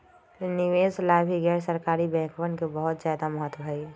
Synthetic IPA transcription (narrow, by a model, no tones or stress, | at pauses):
nɪʋeːslaɦbʱiɡɛːɾsəɾkaːɾibɛ̃ːkʰʋənkebəɦʊt̪zjaːd̪amɔɦət̪bʱai